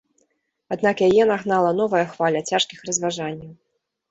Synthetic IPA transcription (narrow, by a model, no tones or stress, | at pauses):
ad̪nakjajɛnaɣnalˠɐn̪ɔvɐjɐxvalʲɐt͡sʲaʂkʲixrɐzvaʐanʲːɐw